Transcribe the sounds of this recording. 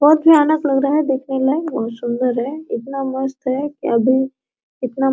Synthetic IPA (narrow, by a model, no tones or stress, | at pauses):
bɔɦt̪̚bʱianəklɐɡɾaaɦɛd̪eːkʰnelaɦɛʋɔsʊnd̪əɾɦɛɪt̪naməst̪ɦɛkiɐbʱi | ɪt̪na